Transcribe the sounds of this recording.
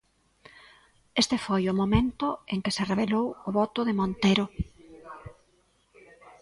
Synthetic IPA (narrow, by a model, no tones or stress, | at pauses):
est̪ɪfojʊmomẽnt̪ʊeŋkɪsereβ̞elowʊβɔt̪ʊðemõnt̪eɾʊ